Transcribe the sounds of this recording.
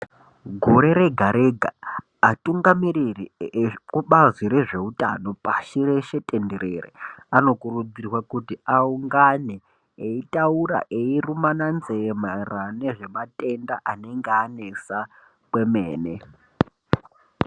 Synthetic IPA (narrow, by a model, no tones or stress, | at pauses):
ɡʱoɾe̞ɾe̞ɡʱaɾe̞ɡʱaː | tuŋɡamiririkuɓaziɾe̞ʐe̞uta̰no̞paʃireʃe̞tʼendeɾerḛano̞kurud͡zirwakutiauŋɡaneː | itauɾa̰ʔeirumananzemarane̞ʐe̞matʼe̞ndaʔane̞ŋɡeane̞sa | kwe̞meːne